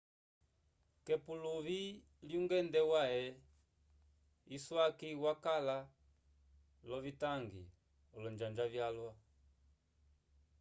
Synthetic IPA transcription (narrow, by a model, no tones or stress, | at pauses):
kɛpuluβi | ljuŋɡɛndɛwaɛ | iswakiwakala | lɔvitaŋɡḭ | ɔlɔnd͡ʒand͡ʒavjalwa